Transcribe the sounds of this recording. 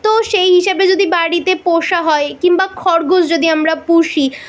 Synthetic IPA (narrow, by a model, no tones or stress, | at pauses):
t̪oʃejɦiʃabed͡ʑod̪ibaɽit̪epoʃaɦɔekiŋbakʰɔɾɡosd͡ʑod̪iamɾapuʃi